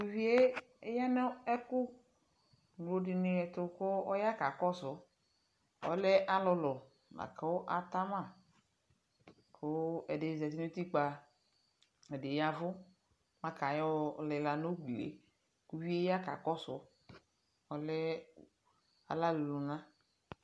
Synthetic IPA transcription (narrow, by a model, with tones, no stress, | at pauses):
ku˦vi˦e˦e˦ja˦nɛ˦ɛ˦kʊ˦ | n˨o˦dɪ˨ne˨ɛ˨t̪ʊ˦kʊ˦ɔ˦ja˦ka˨kɔ˦sʊ˨˦ | ɔ̰˦lɛ˦ʔa˦lɔ˧lɔ˨ | na̰˨ka˦wo˦ʔa˨t̪a˦mã˦˨ | kʰo˦ɛ˨de˨zɛ˨t̪i˦nu˦t̪i˦k͡pa˨ | ɛ˨de˨ja˦vʊ˦ | mã˦ka˨jɔ˦˨lɪ˨la˨no˦ɡ͡bi˨lḛ˨˦ | ku˦vi˦e˦ja˦ka̰˨kɔ˦sʊ̰˨˦ | ɔ˨lɛ˦ | a̰˨la˦lu˨lu˨nã˦